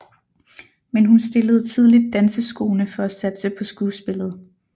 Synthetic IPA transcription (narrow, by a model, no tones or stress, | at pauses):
menɦunsd̥e̝ləð̞ˠt͡sʰið̞ˠlid̥̚ːænsəsɡ̥o̝̰ːnəfɒ̽æsæd̥səpʰɒ̽sɡ̥uːsb̥e̝lð̞̩ˠ